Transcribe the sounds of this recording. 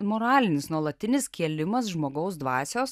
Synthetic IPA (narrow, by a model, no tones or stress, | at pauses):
moːɾɑːlʲɪnʲɪsnuɔlˠɐtt̪ʲɪnʲɪskʲiɛlʲɪmɐsʒmoːɡɐʊs̬d̪ʋɑːsʲoːs